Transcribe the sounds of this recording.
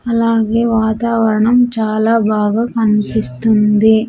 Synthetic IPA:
ɐlaːɡe̞ːʋaːt̪aːʋɐɾɐɳɐmt͡ʃaːlaːbaːɡaːkɐnipist̪und̪i

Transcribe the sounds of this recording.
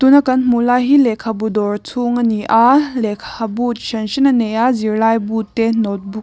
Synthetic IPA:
t̪unakɐnmulajɦilɛkʰabudɔrt͡sʰuŋaniʔalɛkʰabut̚ʃɐnʃinanɛjaziɾlajbut̪ːɛnɔt̚buk

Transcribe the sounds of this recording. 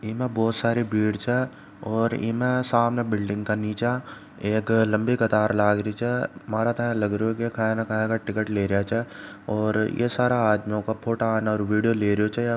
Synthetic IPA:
iːmẽbɔːt̪saːɾibiːɽt͡ʃʰɛ | ɔːɾḭːmẽsaːmnebɪlɖɪ̃ŋɡkaniːt͡ʃa | eːklɐ̃mbikɐt̪aːɾlaːɡɾəit͡ʃʰɛmaːɾat̪ɐɛ̃lɐɡɾeokikʰãːɛ̃nakʰaɦẽkaʈɪkəʈleːɾɐjat͡ʃʰɛ | ɔːɾjʔḛsaːɾaaːd̪mijõkapʰoːʈaːnaɔːɾʋiːɖijoleːɾijot͡ʃʰɛ

